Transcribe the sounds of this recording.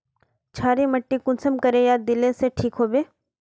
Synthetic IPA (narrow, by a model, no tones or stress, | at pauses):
t͡ʃʰaːɾimɐʈːikʊnsəmkɐɾẽjaːd̪ɪlẽseʈʰiːkɦoːbeː